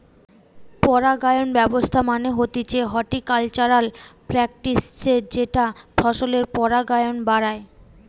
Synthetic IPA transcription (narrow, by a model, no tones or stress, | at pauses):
pɔɾaɡajonbɛbost̪ʰamaneɦot̪it͡ɕʰeɦɔʈikalt͡ɕaɾalpɾɛk̚ʈist͡ɕed͡ʑeʈafʰɔʃoleɾpɔɾaɡajonbaɾae